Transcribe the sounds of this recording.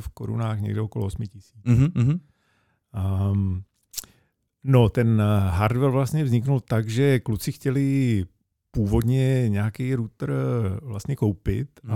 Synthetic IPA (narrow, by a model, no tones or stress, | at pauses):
fko̰ɾṵnaːxɲɛ̰ɡdɛokoloosmɪcɪsi̥ː | not̪ɛnɦaɾd̪vɛlvlast̪ɲɛvzɲɪknult̪aɡʒɛklut͡sɪxcɛlɪ | puːvo̞d̪ɲɛɲaːkijɾuːt̪r̩vlast̪ɲɛko̞wpɪ̰t̪a